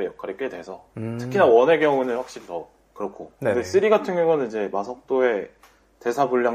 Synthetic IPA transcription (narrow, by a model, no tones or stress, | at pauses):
ejʌkʰaɾik͈e̞dwe̞sʰʌtʰɯ̥kʰinawʌne̞ɡjʌŋunɯnɸwak̚ɕ͈iɾitʌ | kɯɾʌkʰokɯdes͈ɯɾiɡatʰɯŋoŋʌnɯnid͡ʑe̞masʰʌk̚t͈oe̞ | te̞sʰabuʎːaŋ